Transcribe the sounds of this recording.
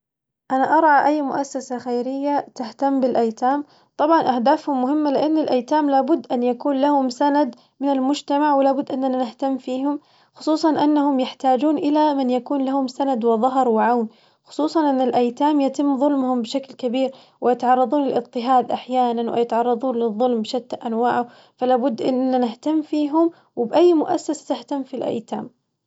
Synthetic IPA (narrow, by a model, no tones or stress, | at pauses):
ʔanaʔɑɾˤʕɑʔajːmʊ̰ʔasːasaxajɾɪjːat̪aht̪amːbɪlʔajt̪aːm | t̪ˤɑbʕɑnʔahd̪aːfhʊmːʊhɪmːalɪʔanːɪlʔajt̪aːmlaːbʊd̪ːʔanjakuːnlahʊmsanad̪ | mɪnɪlmʊd͡ʒt̪amaʕwɪlaːbʊd̪ːʔɪnːananɪht̪amːfiːhʊm | xʊ̥sˤuːsˤɑnʔɪnːahʊmjɪħt̪aːd͡ʒuːnʔɪlamɪnjakuːnlahʊmsanad̪wɪðˤɑɦɑɾˤwɪʕawn | xʊ̥sˤuːsˤɑnʔɪnːɪlʔajt̪aːmjat̪ɪmːðˤʊlmhʊmbɪʃaklkabiːɾ | wɪjɪt̪ʕɑrˤːɑd̪ˤuːnlɪlʔɨt̪ˤːɪɦaːd̪ʔaħjaːnanwɪ̰jɪt̪ʕɑrˤːɑd̪ˤuːnlɪðˤːʊlmbʃat̪ːaʔanwaːʕʊ | falaːbʊd̪ːʔɪ̰nːanɪht̪amːfiːɦʊm | wɪbʔajːmʊʔasːasḁt̪ɪht̪amːfilʔa̰jt̪a̰ːm